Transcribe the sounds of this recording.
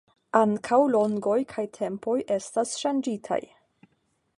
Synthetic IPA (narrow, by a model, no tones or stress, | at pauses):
aŋkʰawlo̞ŋɡo̞jkʰajtʰe̞mpo̞jʔe̞stasʃand͡ʒitʰa̰j